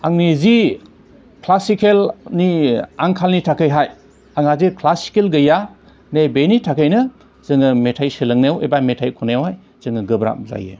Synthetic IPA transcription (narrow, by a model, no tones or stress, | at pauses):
aŋnizi | kʰlasikʰelniaŋkʰalnitʰakʰɯjɦaj | aŋazikʰlasi̥kelɡɯja | nejbenitʰakʰɯjnɯ | zɯŋɯmetʰajselɯŋnewḛbametʰajkʰunajwaj | z̥ɯŋɯɡɯbɾa̰p̚za̰jḛ